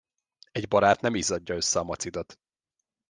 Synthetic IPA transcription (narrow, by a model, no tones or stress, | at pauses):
ɛɟbɒɾaːt̪nɛmizɒɟːɒø̞sːɛɒmɒt̪sid̪ot̪